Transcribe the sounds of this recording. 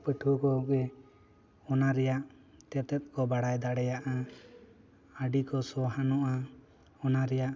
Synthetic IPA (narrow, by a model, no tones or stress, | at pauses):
pəʈʰukɔɡɛ | ɔnaɾɛjaʔ | t̪ɛt̪ɛt̪̚ˀkɔbaɽajd̪aɽɛjaʔa | əɖikɔsɔɦanɔʔa | ɔnaɾɛjaʔ